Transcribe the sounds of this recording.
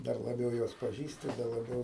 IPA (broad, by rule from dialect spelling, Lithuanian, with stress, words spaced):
ˈdɐr lˠɐˈbʲɛʊ ˈjuɔs pɐˈʒʲiːsʲtʲɪ dɐ lˠɐˈbʲɛʊ